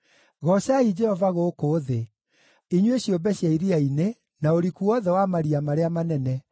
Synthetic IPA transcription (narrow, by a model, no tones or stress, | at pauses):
ɣɔsaid͡ʒɛhɔvaɣokoːðe | iɲweɕjobɛɕjaiɾiaine | naoɾikuɔðɛwamaɾiamaɾeamanɛnɛ